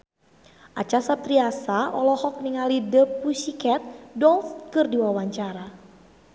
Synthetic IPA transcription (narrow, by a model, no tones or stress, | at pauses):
ʔat͡ʃasap̚t̪ɾiasaɔlɔhɔk̚niŋalidəpusikɛt̪̚dɔlfkɨrdiwawaɲt͡ʃaɾa